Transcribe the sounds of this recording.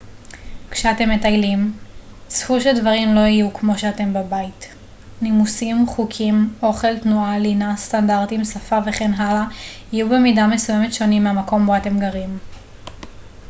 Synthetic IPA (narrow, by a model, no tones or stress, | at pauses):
kʃeate̞mːetajlim | sfuʃeldvaʁimlo̞ijukmo̞ʃeate̞mbabait | nimusimχukʰimʔo̞χe̞ltnualinastandaʁtimsafave̞χenɦalaijube̞midame̞sujeme̞tʃo̞nimːeamako̞moate̞mɡaʁim